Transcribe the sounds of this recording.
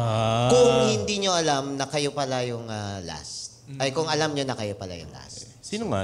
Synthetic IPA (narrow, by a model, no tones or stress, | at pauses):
akʊŋhɪnd̪iɲo̞ʔɐlamnɐkɐjopɐlajʊŋɐla̰st̪̚ʔɐjkʊŋɐlamɲonɐkɐjopɐla̰jʊ̰ŋla̰ssiːnoŋa̰